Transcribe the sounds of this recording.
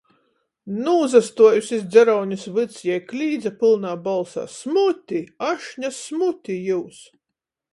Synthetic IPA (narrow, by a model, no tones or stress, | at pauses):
nuːzast̪uɔjusʲisd̪zʲɛɾawɲusvɨt̪sjɛjklʲiːd̪zapɨlˠnaːbalˠsa̰ːsmut̪ʲiaʃɲasmut̪ʲijuːs